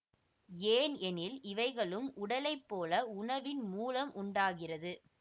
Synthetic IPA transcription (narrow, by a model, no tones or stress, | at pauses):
eːnɛnɪlɪʋɐɪɣɐɭɯmʔʊɽɐlɐɪpːoːlɐʊɳɐʋɪnmuːlɐmʔʊɳɖaːɣɪrɐðɯ